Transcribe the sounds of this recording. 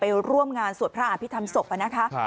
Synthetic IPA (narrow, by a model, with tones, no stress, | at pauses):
pa˧jɾu˥˩əmŋaː˧nsu˨˩ənpʰɾa˦˥ʔa˧pʰi˦˥t̪ʰa˧mso˨˩p̚ʔa˨˩na˦˥kʰa˦˥